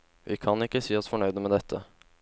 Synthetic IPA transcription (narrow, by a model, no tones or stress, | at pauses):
ʋɪkʰɑnɪkːəsiːɑsfɔɳœʏd̪əmɛd̪ɛt̪ʰːə